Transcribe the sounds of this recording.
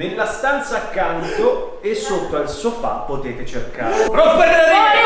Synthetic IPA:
elːast̪ant̪saːkːant̪o | esːot̪ːoilsofa̰pːot̪eːt̪et͡ʃerkaːɾepɾɔpːopeɾɡ̪aɾlad̪i

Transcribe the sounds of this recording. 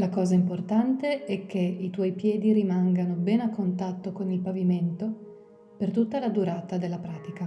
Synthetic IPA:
lakɔːzaimport̪ant̪eɛk̟ʰːeit̪wɔjpjɛːd̪iɾimaŋɡanobɛnakːont̪at̪ːokonilpaviment̪o | pert̪ut̪ːalad̪uɾaːt̪ad̪elːapɾaːt̪ika

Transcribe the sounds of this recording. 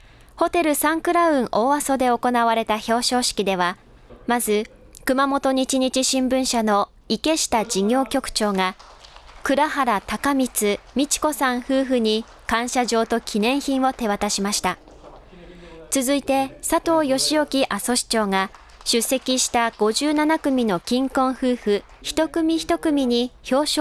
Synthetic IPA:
ho̞t̪e̞ɾɯ̟sãŋkɯ̟ɾaɯ̟̃ɰ̃ʔo̞ːaso̞d̪e̞o̞ko̞naβaɾe̞t̪aço̞ːɕo̞ːɕi̥kʲid̪e̞β̞a | mazɨ | kɯ̟mamo̞t̪o̞ɲ̟it͡ɕiɲ̟it͡ɕiɕĩmbɯ̟̃ɰ̃ɕano̞ | ike̞ɕi̥t̪ad͡ʑiɲʲo̞ːkʲo̞kɯ̟̥t͡ɕo̞ːŋa | kɯ̟ɾahaɾat̪akamʲit͡sɨmʲit͡ɕi̥ko̞sãɰ̃hɯ̟ːɸɯ̟ɲ̟i | kãɰ̃ɕaʑo̞ːt̪o̞kʲʰinẽ̞ɰ̃çĩɰ̃βo̞t̪e̞βat̪aɕimaɕi̥t̪a | t͡sɨzɨit̪e̞sat̪o̞ːjo̞ɕio̞kʲiʔaso̞ɕi̥t͡ɕo̞ːŋa | ɕɨsːe̞kʲiɕi̥t̪aɡ̥o̞ʑɨːnanakɯ̟mʲino̞kʲĩŋkõ̞ɰ̃hɯ̟ːɸɯ̟ | çi̥t̪o̞kɯ̟mʲiçi̥t̪o̞kɯ̟mʲiɲ̟iço̞ː

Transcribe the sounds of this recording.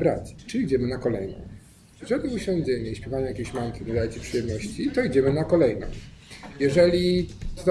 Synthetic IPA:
bɾa̰t͡ɕt͡ʂɨid͡ʑɛmɘnakɔlɛjnɔ̰̃w̃ | ɛʐɛlʲiuɕɔ̃w̃d͡ʑɛɲɛiɕpʲɛvaɲajakʲeɕmank̪ʲind̪ajt͡ɕepʂɨjɛmnɔɕt͡ɕit̪ɔid͡ʑɛmɘnakɔlɛjnɔ̰̃w̃jɛʐɛlʲi

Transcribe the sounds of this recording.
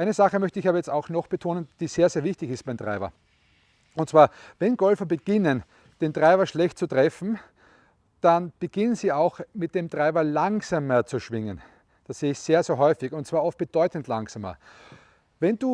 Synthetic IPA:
ʔaɪnəzaχəmœçtəɪçaːbɐjɛt͡staʊxnɔxb̥ətʰoːnənd̥iːseːɐseːɐvɪçtɪçɪst̚b̥aɪmtʁa̰ɪbɐ̰ | ʊntt͡sv̥aːɐvɛnɡɔlfɐbəɡ̥ɪnən | d̥eːmtʁaɪbɐʃlɛçt̚t͡sutʁ̥ɛfn̩ | d̥anb̥əɡ̥ɪnənziːaʊxmɪt̚d̥emtʁaɪbɐlaŋsamɐt͡suʃvɪŋən | d̥asseːəɪçseːɐseːɐɦɔʏfɪçʊntt͡sv̥aːɐɔft̚b̥əd̥ɔʏtn̩tlaŋsaːmɐ̰ | vɛnd̥uː

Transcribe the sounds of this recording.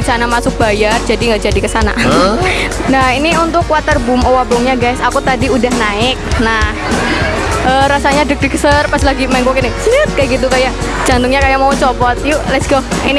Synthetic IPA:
sanamasʊk̚bajard͡ʒadiŋɡaʔd͡ʒadikəsana̰ | nahiniunt̪ʊkːuwat̪ərbʊmowabɔŋɲaɡajsakut̪adiudahnaɪk̚nah | ʔəɾasaɲadək̚dəkəsərpaslaɡimaɪŋkokinɪsit̪̚kajaɡit̪ukaja | d͡ʒant̪ʊŋɲakajamaut͡ʃɔpɔt̪̚julɛsɡɔini

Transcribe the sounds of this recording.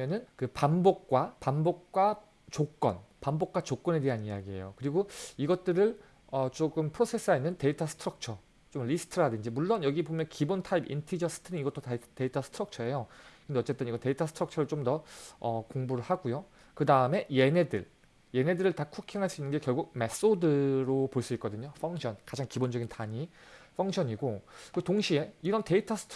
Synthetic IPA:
enɯnkɯpambok̚k͈wapanbok̚k͈wa | t͡ɕok͈ʌ̰npambok̚k͈wat͡ɕok͈ʌne̞de̞ɦaniaɡie̞̰jo̰kɯɾiɡoiɡʌt̚t͈ɯɾɯɭ | ʌt͡ɕoɡɯmpʰɯɾosʰe̞s͈ʰɯɡainːɯnte̞itʰasʰɯ̥tʰɯɾʌk̚t͡ɕʰʌ | t͡ɕomlisʰɯ̥tʰɯɾadɯnd͡ʑimuɭːonjʌɡibomjʌnkibontʰaibḭntʰid͡ʑʌs͈ʰɯ̥tʰɯniniɡʌt͈otte̞itʰasʰɯ̥tʰɯɾʌk̚t͡ɕʰʌe̞jokɯɾɯndeʌt͡ɕ͈e̞t͈ɯniɡʌte̞itʰʌsʰtʰɾʌk̚t͡ɕʰʌɾɯɭt͡ɕomdʌʌkoŋbuɾɯɭhaɡujo | kɯdaɯme̞je̞ne̞dɯɭ | je̞ne̞dɯɾɯɭtakʰukʰiŋɦaɭs͈uinːɯnɡekjʌɭɡuɡ̚me̞s͈odɯɾopoɭs͈uit̚k͈ʌdɯɲofʰʌŋɕʰʌnkad͡ʑaŋkibond͡ʑʌɡintaɲi | fʰʌŋɕʰʌɲiɡokɯtoŋɕʰie̞iɾʌnte̞itʰasʰtʰ

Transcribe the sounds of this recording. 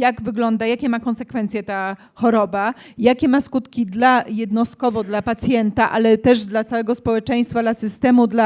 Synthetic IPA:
jaɡvɘɡlɔnd̪ajakʲɛmakɔnsɛkfɛnt̪sʲjɛt̪a | xɔɾɔba | jakʲɛmaskut̪kʲid̪lajɛd̪nɔst̪̚kɔvɔd̪lapat̪sʲjɛnt̪aʔa̰lɛt̪ɛʐd̪lat̪sawɛɡɔspɔwɛt͡ʂɛj̃st̪fad̪lasɘst̪ɛmud̪la

